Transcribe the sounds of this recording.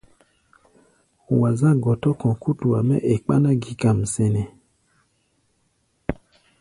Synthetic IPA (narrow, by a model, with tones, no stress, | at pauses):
wa˨zã˦ɡɔ˨tɔ˦kɔ̃˨ku˦tu˨a˨mɛ̰˦ʔe˨k͡pa˦na˦ɡi˨˦ka˨m̩˨sɛ˨nɛ˨